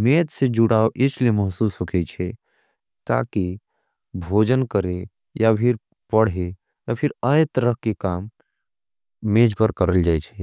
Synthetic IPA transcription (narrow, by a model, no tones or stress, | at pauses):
meːt̪sed͡ʒuɽaːoʔɪt͡ʃʰleməɦsuːsɦokʰet͡ʃʰɛ | t̪a̰ːki | bʱoːd͡ʒənkəɾe | japʰɪɾ | pəɽ̤e | japʰɪɾajt̪əɾəɦkekaːm | meːd͡ʒpəɾkəɾəld͡ʒaːjt͡ʃʰɛ